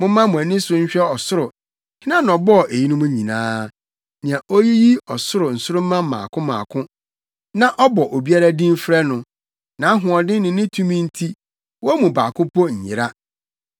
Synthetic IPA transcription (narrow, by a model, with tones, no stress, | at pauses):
mʊ̃˦mã˦mʊ̃˨æ˨nɪ̃˦sʊ˦ɲ̩˦ɕᶣɛ˦ɔ˨sʊ˦ɾʊ˨ | hɪ˦nã˦n˨ɔ˨bɔ˦˨ʔe˨ji˦nʊ̃˦mũ˦ɲĩ˨nãː˦ | nɪ̃˨ã˨ʔo˦ji˦ji˦ɔ˨sʊ˦ɾʊ˨n̩˨sʊ˦ɾʊ˦m̩˦mã˦m̩˦mːã̰ː˨kʰʊ̃˦mã̰˨kʰʊ̃˦ | nã˦ʔɔ˦bɔ˨ʔo˨bi˦a˦ɾa˦dĩ˦m˦fɾɛ˦nʊ̃˨ | nã˨˦ɦʊ̃˨ɔ˨dɪ̃˦nʊ̃˨nɪ̃˦tʰũ˦mĩ˦n̩˦tʰi˦ | wɔ˦mũ˨ba̰ː˨kʰʊ̃˦pʰɔ˦ɲ̩˨ɲɪ˨ɾa˦